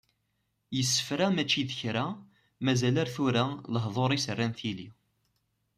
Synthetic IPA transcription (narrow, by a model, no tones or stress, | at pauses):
jəsːə̥fɾæmæt͡ʃːiðəçɾæ | mæzælaɾθuɾaləɦðˤoɾˤisərːænθili